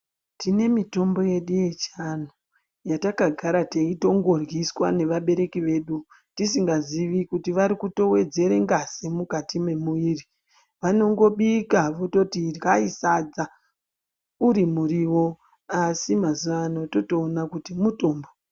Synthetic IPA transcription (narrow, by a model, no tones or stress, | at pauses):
tine̞mito̞mbo̞je̞ɗuje̞t͡ʃan̤u | jatakaɡʱaɾateito̞ŋɡo̞rwiswane̞ʋaɓe̞ɾe̞kiʋe̞ːɗu | tisiŋɡaziʋikutiʋaɾikuto̞we̞d͡ze̞ɾe̞ŋɡasemukatime̞muiri | ʋano̞ŋɡo̞ɓikaʋoto̞tirkaisad͡za | uɾimuriwo̞ | asimazuʋano̞to̞to̞ːnakutimuto̞ːmbo